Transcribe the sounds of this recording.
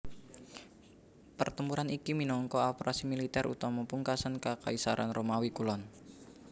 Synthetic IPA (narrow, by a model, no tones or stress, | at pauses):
pərt̪əmpuɾanikiminɔŋkɔɔpɾasimilit̪ɛɾʔṵt̪ɔmɔpuŋkasankakaisaɾʔa̰nromawikulɔn